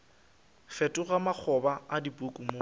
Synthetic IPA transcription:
fɛtʼʊɣamak͡xʰɔbaadipʼukʼumo

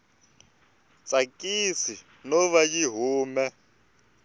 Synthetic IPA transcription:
t͡sʼakʼisi | nɔβajiɦuːmɛ

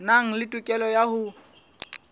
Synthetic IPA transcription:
naŋ̩lɪtʼʊkʼɛlɔjahʊ

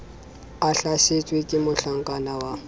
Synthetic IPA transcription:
aɬaʃet͡ʃʼwekʼɪmʊɬaŋ̩kʼanawa

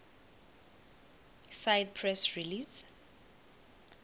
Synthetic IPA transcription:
sajd̚pʰɹɛsɹilis

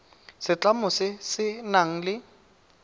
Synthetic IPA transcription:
sɪt͡ɬamʊsɪsɪnaŋ̩lɪ

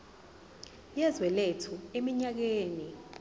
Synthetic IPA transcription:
jɛzwɛletʰuemiɲak̬eːni

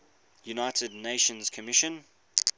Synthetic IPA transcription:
junaɪtədⁿneɪʃə̃nz̥kʰəmɪʃə̃n

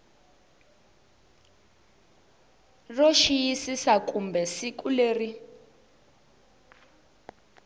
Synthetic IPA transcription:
rɔʃijisisakumbɛsikuleːri

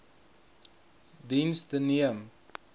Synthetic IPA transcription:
dinsd̪əniəm

